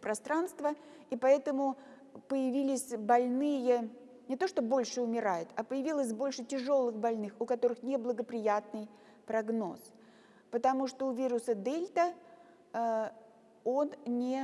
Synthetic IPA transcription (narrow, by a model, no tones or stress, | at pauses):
pɾɐst̪ɾanst̪vəipɐɛt̪əmʊ | pəjɪvʲilʲɪsʲbɐlʲnɨjə | nʲɪt̪o̞ʂt̪o̞bo̞lʲʂɨʊmʲɪɾajɪt̪ɐpəjɪvʲilˠəsʲbo̞lʲʂɨtʲɪʐo̞lˠɨxbɐlʲnɨxʊkɐt̪o̞ɾɨxnʲɪblˠəɡəpɾʲɪjat̪nɨj | pɾɐɡno̞̰s | pət̪ɐmuʂt̪oʊvʲiɾʊsəd̪elʲt̪ə | o̞nnʲɪ